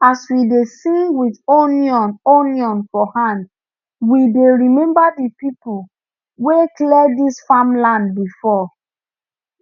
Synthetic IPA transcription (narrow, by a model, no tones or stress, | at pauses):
aswidesĩŋɡwiðoniɔ̃nonjɔ̃nfɔhãnd | wideɹimɛ̃mbadipipu | weklɛisfãmlãnd̚bifɔ